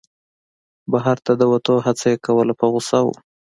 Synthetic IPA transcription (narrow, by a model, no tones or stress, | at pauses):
baɦaɾt̪ad̪əwat̪oɦat͡sajekawəlapəɣʊsawṵ